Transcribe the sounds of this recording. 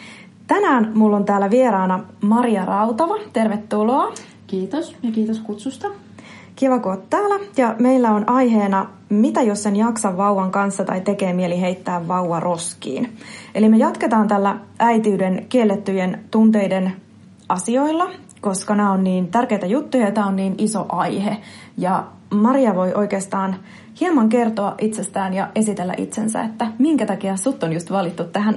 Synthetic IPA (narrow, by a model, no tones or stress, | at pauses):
t̪ænæːnmulːo̞nt̪æːlːæʋie̞ɾɑːnɑmɑɾiɑrɑwt̪ɑʋɑt̪e̞rʋet̪ːulo̞ː | kiːt̪osjɑkiːt̪oskut̪sust̪ɑ | kiʋɑkuot̪ːæːlæjɑme̞ilːæo̞nʔɑjɦe̞ːnɑ | mit̪æjo̞sːe̞njɑksɑʋːɑwʋɑŋkɑnsːɑt̪ɑ̰jt̪e̞ke̞ːmieliɦe̞jt̪ːæːʋːɑwʋɑrʔo̞skḭːnʔe̞lime̞jɑt̪ket̪ɑːnt̪ælːææjt̪iːdenkielːet̪ːyjent̪unt̪e̞jden | ʔɑsio̞ilːɑ | ko̞skɑnæːonniːnt̪ærke̞jt̪æjut̪ːujɑjɑt̪æːonniːniso̞̰ʔɑjhejɑ | mɑɾiɑʋo̞jʔo̞jkeːst̪ɑːn | hiɑmɑŋke̞rt̪oɑʔit̪sest̪æːnjɑʔe̞sit̪elːæ̰ʔḭt̪sensæ̰et̪ːæmiŋkæt̪ɑkiɑsut̪ːonjust̪ʋɑlit̪ːut̪tæɦæn